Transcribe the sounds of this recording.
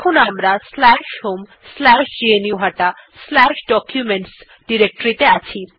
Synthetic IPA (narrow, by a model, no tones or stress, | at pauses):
kʰonamɾaslɛʃhom | slɛʃd͡ʑeenijuɦaʈaslɛʃɖɔkjumeɳʈs | ɖiɾek̚ʈoɾit̪eat͡ɕʰi